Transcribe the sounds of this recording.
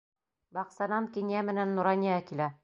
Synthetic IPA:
bɑqsɑnɑmkinjæmɘ̆nænːuɾɑnʲiɑkilæ

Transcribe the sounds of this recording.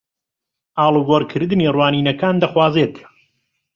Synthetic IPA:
ʔaːlˠɨɡoɾkʰɨɾd̪ɨnirwaːniːnɐkaːnd̪ɐχwaːzet̪

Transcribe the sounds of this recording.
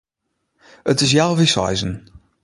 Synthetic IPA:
ətɪs̬jalˠʋisa̰jzən

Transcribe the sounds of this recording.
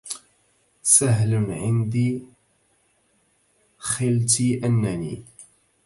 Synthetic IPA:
saɦlnʕɪnd̪iː | xɪlt̪iːʔanːanḭː

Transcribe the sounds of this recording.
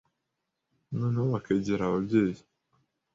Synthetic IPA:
noneoβakeɟeɾaβabɟeːji

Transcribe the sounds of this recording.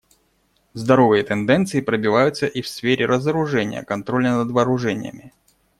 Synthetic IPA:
zd̪ɐɾovɨjət̪ɛnd̪ɛnt̪sɨɪpɾəbʲɪvajʊt̪səʔifsfʲeɾʲɪɾʔəzəɾʊʐɛnʲɪ̰jə̰kɐnt̪ɾo̞lʲnənəd̪vɐːɾʊʐɛnʲɪ̰jə̰mʲɪ

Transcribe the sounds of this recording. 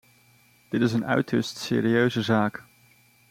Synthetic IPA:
d̥ɪtɪzənœ̰ɥtʰəstsɪ̰ːɾiøɥzəzaːk

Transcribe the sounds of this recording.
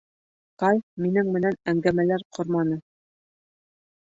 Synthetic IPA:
qɑlʲminɘŋmɘ̆nænæŋɡæmælæɾqʰŏɾmɑnɤ

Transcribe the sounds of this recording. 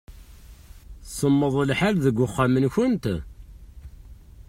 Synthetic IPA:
səmːəðˤəlħalðəɡʷːʊχːamənçʊnt̪

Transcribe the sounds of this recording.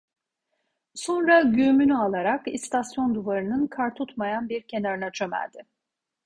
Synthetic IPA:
so̞nɾaɟymynyalˠaɾakḭst̪ʰasjo̞nd̪uvaɾɯnɯnkʰaɾt̪ʰut̪majanbiɾcʰe̞naɾɯnat͡ʃʰø̞mæ̰ld̪ɪ

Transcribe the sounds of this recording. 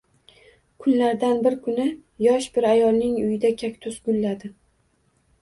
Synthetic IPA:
kʰʊnlaɾd̪anbɪɾkʰʊnɪjɒʃbɪɾajɒlˠnɪŋʊjɪd̪akʲʰakʲt̪ʰʊsɡʊlːad̪ɪ

